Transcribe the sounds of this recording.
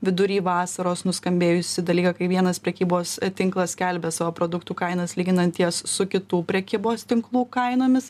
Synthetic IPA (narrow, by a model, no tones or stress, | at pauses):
ʋʲɪd̪ʊɾʲiːʋɑːsɐɾoːsnʊskɐmʲbʲeːjʊsʲɪd̪ɐlʲiːkɐkɐɪʋʲiɛnɐspʲɾʲɛkʲiːboːst̪ʲɪŋklˠɐskʲɛlʲbʲɛsɑːʋoːpɾoːd̪ʊkt̪uːkɐɪnɐslʲiːɡʲɪnɐnʲt̪ʲiɛssʊkʲɪt̪uːpʲɾʲɛkʲɪboːst̪ʲɪŋklˠuːkɐɪnoːmʲɪs